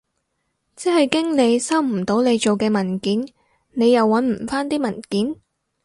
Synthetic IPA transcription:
t͡sɛ˥hɐ˨jkɪ˥ŋle˨˧jsɐ˥wm̩˨˩t̪o˨˥wne˨˧jt͡ʃo˨wkɛː˧mɐ˨˩nkiː˨˥n | ne˨˧jɐ˨wːɐ˨˥nm̩˨˩faː˥nt̪iː˥mɐ˨˩nkiː˨˥n

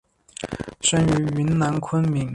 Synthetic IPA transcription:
ʂə˥ny˧˥y˧˥nna˧˥nkʰwə˥nmi˧˥ŋ

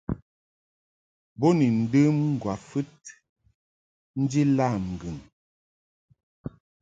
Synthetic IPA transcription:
bo˦ni˨n̩˨dɨ˦mŋ̩˦˨ɡwa˨fɨ˦t̚ | n̩˦d͡ʒi˦la˦˨m˨ɡɨ˨ŋ

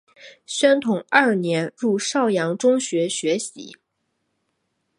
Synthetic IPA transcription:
ɕɥɛ˥nt̪ʰʊ˨˩˦ŋɐ˞˥˩njɛ˧˥nɻu˥˩ʂɑ˥˩ʊjɑ˧˥ŋʈ͡ʂʊ˥ŋɕɥɛ˧˥ɕɥɛ˧˥ɕḭ˧˥

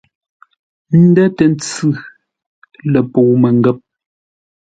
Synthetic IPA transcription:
n̩˦dɛ˦tɛ˨n˦t͡sʉ˦˨ | lɛ˨po˨mɛ˨ŋ˦ɡɛ˦p̚

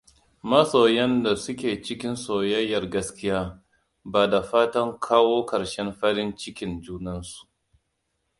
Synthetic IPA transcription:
mɐ˦soː˨jɐ˦nda˨sʊ˦kʲeː˨t͡ʃɪ˦kʲɪ˦nsoː˨jɐ˦jːɐ˨rɡɐ˦skʲɪ˦jaː˦ | baː˨da˨ɸaː˦tɐ˦ŋkʰaː˦woː˦kɐ˨ɾʃɛ˦mɸɐ˦ɽɪ˦nt͡ʃɪ˦kʲɪ˦nd͡ʒuː˦nɐ˦nsu̥˨ʔ

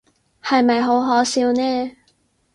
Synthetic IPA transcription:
hɐ˨jmɐ˨jɦo˨˥wɦɔː˨˥siː˧wnɛː˥

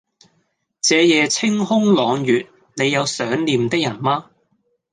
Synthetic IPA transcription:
t͡sɛː˨˧jɛː˨˧t͡sʰɪ˥ŋɦʊ˥ŋlɔː˨˧ŋjyː˨t̚ | ne˨˧jɐ˨˧wsœː˨˥ŋliː˨˧mt̪ɪ˥k̚jɐ˨˩nmaː˥

